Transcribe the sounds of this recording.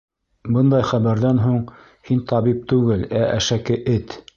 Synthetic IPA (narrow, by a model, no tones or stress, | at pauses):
bɤnd̪ɑjχæβæɾðænɦuɴ | hint̪ɑβip̚t̪ʉɡɘlæʔæʃækɘʔɘt̪